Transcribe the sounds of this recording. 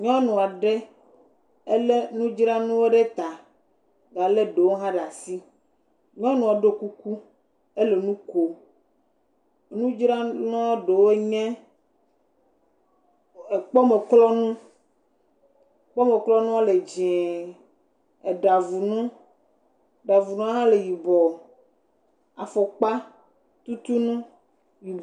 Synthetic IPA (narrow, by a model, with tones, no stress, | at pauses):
ɲɔ̃˦nũ˨a˨ɖe˦ | e˦le˦nũ˦d͡ʒɾa˦nũ˦wo˦ɖe˦t̪a˨ | ɖa˨le˦ɖe˨wo˦ɦã˦ɖa˨si˦ | ɲɔ̃˦nũ˨a˨ɖo˦ku˦ku˦ | e˦le˨nũ˦ko˨ | nũ˦d͡ʒɾa˦nɔ̃˦ɖo˨wo˦ɲɛ̃˦ | e˨k͡pɔ˦me˨klɔ˦nũ˦ | k͡pɔ˦me˨klɔ˦nũ˦wo˦le˨d͡ʒɛ̃˨ | e˨ɖa˨vu˨nũ˦ | ɖa˨vu˨nũ˦nã˦le˨ji˨bɔ˨ | a˨fɔ˨k͡pa˦ | t̪u˦t̪u˦nũ˦ | ji˨